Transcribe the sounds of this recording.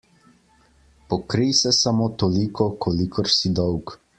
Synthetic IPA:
pɔkɾijsɛsamoːt̪olikʰɔkʰolikʰɔɾsid̪ɔwk

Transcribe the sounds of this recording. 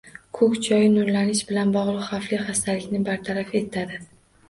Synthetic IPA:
kʰɵkʲt͡ʃʰɒjɪnʊɾlanɪʃbɪlanbɒʁlˠɨqχafliχast̪ʰalɪkʲnɪbaɾt̪ʰaɾafe̞t̪ʰad̪ɪ

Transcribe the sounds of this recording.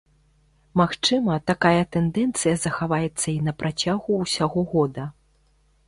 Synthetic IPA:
maxt͡ʂɨmɐt̪akajɐt̪ɛnd̪ɛnt̪sɨjɐzɐxavajɛt̪sːɐinɐpɾʔat͡sʲaɣuwsʲaɣɔɣɔd̪ɐ

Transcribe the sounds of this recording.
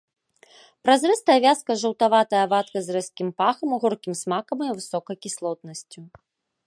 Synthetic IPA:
pɾazrɛst̪ɐjɐvʲaskɐʐɐwt̪avat̪ɐjɐvat̪kɐzrɛskʲimpaxɐmɣɔrkʲimsmakɐmjivɨsɔkɐjkʲislˠɔt̪nɐsʲt͡sʲu

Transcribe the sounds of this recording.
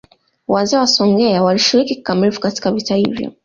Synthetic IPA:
wazɛːwasɔŋɡɛawaliʃiɾiki̥kamilfu̥kati̥kavitahḭvjɔ̰

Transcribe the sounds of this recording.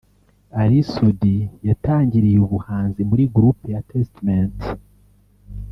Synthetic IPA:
aɾisudijataːɲɟiɾijuβuhaːnzimuɾiɡuɾupujatʰestament

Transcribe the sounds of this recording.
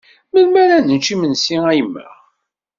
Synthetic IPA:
məlmæɾænənt͡ʃimənsiæjəmːə̰ʁ

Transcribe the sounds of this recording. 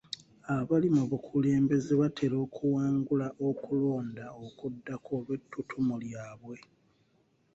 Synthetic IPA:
aβalimuβukʰule̞ːmbe̞zeβatʰe̞ɾo̞ːkʰuwaːŋɡulaʔo̞kulo̞ːndaokudːakʰoːβetːutʰumuljaːβwe̞

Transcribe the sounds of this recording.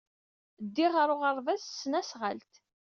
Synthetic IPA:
d̪ːiʁəɾˤʊʁəɾˤvæssːnæsʁə̰lt̪

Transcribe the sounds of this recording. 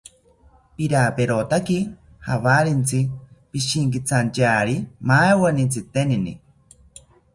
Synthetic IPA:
piɾapeɾot̪aki | haβaɾent͡sʰipiʃiŋkit͡sʰant͡ʃaːɾimawanit͡sʰɨt̪eninḭ

